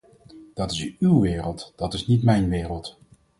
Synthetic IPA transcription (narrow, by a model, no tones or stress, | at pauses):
d̥ɑtɪsywʋɪːrəlˠtd̥ɑtɪsnitmɛjnʋɪːrəlˠt